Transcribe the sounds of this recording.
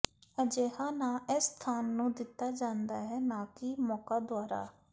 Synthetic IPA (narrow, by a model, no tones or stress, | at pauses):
əd͡ʒeːhãːnãːʔɪst̪ʰaːnːũːd̪ɪt̪ːaːd͡ʒãːnd̪aːɦɛːnãːkɪmɔːkaːd̪ʊaːɾa̰ː